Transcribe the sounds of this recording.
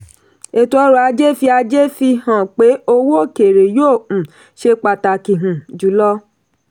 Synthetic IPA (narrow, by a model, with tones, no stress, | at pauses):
e˨tu˧o˧˦ɾo˨a˧d͡ʒe˦fi˧a˧d͡ʒe˦fi˧hã˨k͡pe˨˦o˧wo˦˨ke˨ɾe˨jõː˦˨ | ʃe˧k͡pa˨ta˨ki˨ɦũ˨d͡ʒu˨˦lɔ˦